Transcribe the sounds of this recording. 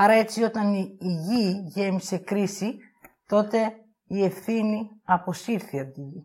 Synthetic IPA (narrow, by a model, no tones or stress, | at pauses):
ɐɾɐe̞t͡sio̞t̪ɐniːʝiʝe̞mise̞kɾisi | t̪o̞t̪e̞ | ie̞fθiniɐpo̞siɾθiɐnt̪iʝi